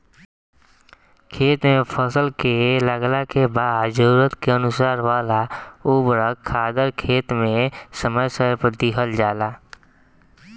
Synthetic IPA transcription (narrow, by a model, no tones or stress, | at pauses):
kʰeːt̪mẽpʰəsəlkeləɡlakebaːd̪d͡ʒəɾuːɾət̪keənʊsaːɾwaːlaubɾəaːd̪əɾkʰeːt̪mẽsəməjsəɾpəd̪iɦəld͡ʒaːlaː